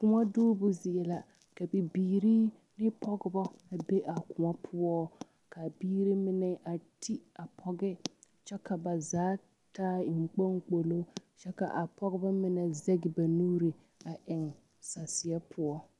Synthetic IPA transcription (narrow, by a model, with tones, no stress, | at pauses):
kʊ˨ŋa˦duː˦bʊ˦zɪ˨ɛ˨la˨ | ka˨bi˨biː˨ɾi˦ | nɪ˦pʰɔ˦ɡɪ˦bɔ˦a˨be˦ʔa˨kʊ˨ŋa˦pʰʊ˦ɔ˦ | ka˨biː˦ɾi˦mɪ˦nɛ˦ʔa˨tʰi˦a˨pʰɔ˦ɡɛ˦ | t͡ʃɛ˦ka˨ba˨zaː˨˦ | taː˦ɪ˨ŋ̩˨k͡po˦ŋk͡po˨lo˦t͡ʃɛ˦ka̰˨ʔa˨pɔ˦ɡɪ˦bɔ˦mɪ˦nɛ˨zɛ˦ɡɪ˨ba˨nuː˦ɾi˨ | a˨ʔɪ˨ŋ | sa˨sɪ˨a˦pʰʊ˦ɔ˦